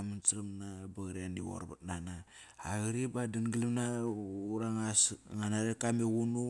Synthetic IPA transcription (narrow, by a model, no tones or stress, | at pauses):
mansɾamnabaɣɾiandḭwo̰ɾba̰tnanaː | ɣiɾibadinɡilimnauɾaŋasŋanaɾekameɣunu